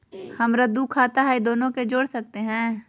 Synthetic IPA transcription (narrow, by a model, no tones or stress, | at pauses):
hɐmɾɐd̪ukʰaːt̪aɦɛid̪oːnõked͡ʒoːɽsɐk̚t̪eɦɛ̃ː